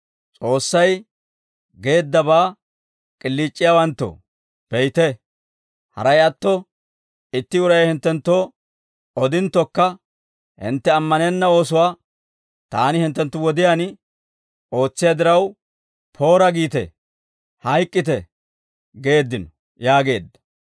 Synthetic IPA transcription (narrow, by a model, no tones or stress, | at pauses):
t͡sʼo̞ːsːɐj | ɡe̞ːd̪ːɐbaː | kʼɪlːiːt͡ʃʼːɪjawɐnt̪ːɔ̰ | pɛjt̪ɛ | hɐ̰ɾɐjɐt̪ːɔ | ɪt̪ːɪʊɾɐjɐjhɪnt̪ːɛnt̪ːo | ɔd̪ɪnt̪ːɔkːɐ | hɪ̰nt̪ːɛɐmːɐnenːɐo̞ːsʊwaː | t̪aːnɪhɪnt̪ːɛnt̪ːʊwɔd̪ɪjaːn | o̞ːt͡sːɪjad̪ɪɾɐw | pʰo̞ːɾɐɡiːt̪ɛ̰ | hɐjkʼːɪt̪ɛ | ɡe̞ːd̪ːɪnɔ | jaːɡe̞̰ːd̪ːɐ̥